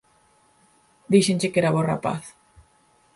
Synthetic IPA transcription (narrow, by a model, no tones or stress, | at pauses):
d̪iʃent͡ʃɪkeɾaβɔra̰pa̰θ